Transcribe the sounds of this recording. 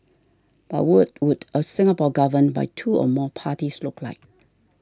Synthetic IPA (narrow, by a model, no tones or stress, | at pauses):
b̥a̰wut̚wudəsɪ̃ŋəpɔɡavənba̰jtʰuɔ̰mɔpʰatislukla̰ɪk̚